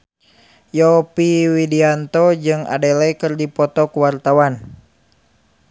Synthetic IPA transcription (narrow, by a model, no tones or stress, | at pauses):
jɔpiwidiant̪ɔd͡ʒɨŋa̰dɛlɛkɨrdipɔt̪ɔkuwart̪awan